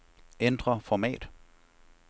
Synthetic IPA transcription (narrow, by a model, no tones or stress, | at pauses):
end̥ʁɐfɒmɛ̰ːd̥